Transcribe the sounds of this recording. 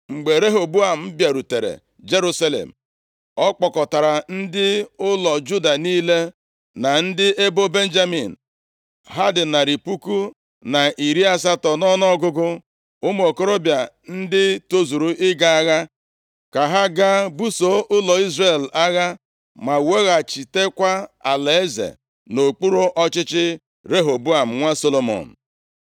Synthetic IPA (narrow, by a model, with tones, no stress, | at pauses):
ŋ͡m̩˨ɡ͡be˨ɾe˦ɦo˨bu˦a˨m̩˦bja˨ɾu˨te˨ɾḛ˨ | d͡ʒe˦ɾu˦sa˦lḛ˨m̩˨ | ɔ˦k͡pɔ˨kɔ˨ta˨ɾa˨n̩˦dɪ˦ʊ˦lɔ˨d͡ʒu˦da˨niː˦le˦ | na˨n̩˦dɪ˦ʔe˦bo˦be˦n̩˦d͡ʒa˦mi˨n̩˨ | ɦa˦dɪ˨na˨ɾi˨pu˦ku˦ | na˨ʔi˨ɾi˦a˦s̬a˦tɔ˨nɔ˦nɔ˦ɡʊ˦ɡʊ˦ | ʊ˦m˦o˨ko˦ɾo˦bja˨ | n̩˦dɪ˦to˦zu˨ɾu˨ɪ˦ɡa˦a˦ɣa˦ | ka˨ɦa˦ɡa˦bu˦so˨ʔʊ˦lɔ˨i˦zre˦˨la˦ɣa˦ | ma˨we˦ɣa˨t͡ʃi˨te˦kʷa˦a̰˨le˨e˦zḛ˨ | no˨k͡pu˦ɾu˦ʔɔ˦t͡ʃɪ˦t͡ʃɪ˦ | ɾe˦ɦo˨bu˦a˨m̩˨ŋʷa˦so˦lo˨mɔ̰˨n̩˨